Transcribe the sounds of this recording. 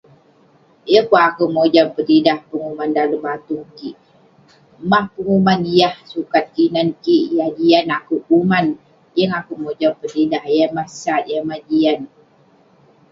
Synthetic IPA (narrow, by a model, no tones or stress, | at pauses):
jəkaakumod͡ʒampədidahpəŋumandaləmat̪uŋkiʔ | mahpəŋumanijahsukat̪̚kinankiʔjahd͡ʒianakuʔuman | jəŋakumod͡ʒɔmpədidahjamahsat̪̚jamad͡ʒian